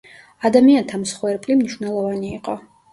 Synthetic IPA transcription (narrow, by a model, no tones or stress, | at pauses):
ad̪amiant̪ʰamsχwɛɾpʼlimniʃvnɛlˠɔvaniːqʼɔ